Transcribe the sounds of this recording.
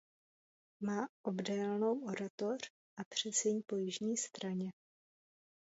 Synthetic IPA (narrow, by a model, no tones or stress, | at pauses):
maːʔobdɛːlno̞woɾat̪o̞r̝̥ | ʔapr̝̥ɛt͡sɛɲpo̞jɪʒɲiːst̪ɾaɲɛ